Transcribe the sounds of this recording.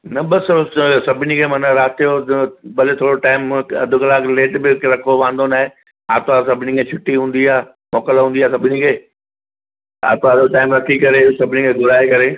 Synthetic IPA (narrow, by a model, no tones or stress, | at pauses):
nɐbɐssɐbʱɪnikʰeːmɐnaɾaːt̪ijobɐlet̪ʰoːɽoʈaːɪmɐ̰d̪ʱʊkɐlaːkleːʈbɪɾɐkʰoʋãːnd̪onaːɦe | a̰ːt̪oasɐbʱɪnikʰet͡ɕʰʊʈːiɦũːn̆d̪iaː | mɔːkəlɦũːndiaːsɐbʱɪnikʰeː | a̰ːt̪oaːd̪ʱoʈaːɪmɾɐkʰikɐɾesɐbʱɪnikʰeːɡʊɾaːekɐɾe